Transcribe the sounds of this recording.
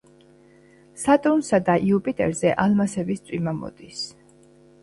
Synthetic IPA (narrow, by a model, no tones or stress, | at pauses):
sat̪ʼunsad̪aʔiupʼit̪ʼɛ̰ɾzɛʔalmasɛbist̪sʼimamɔ̰d̪is